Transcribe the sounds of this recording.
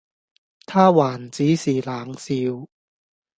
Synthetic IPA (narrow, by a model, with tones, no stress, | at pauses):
t̪ʰaː˥waː˨˩nt͡siː˨˥siː˨˩laː˨˩ŋsiː˧w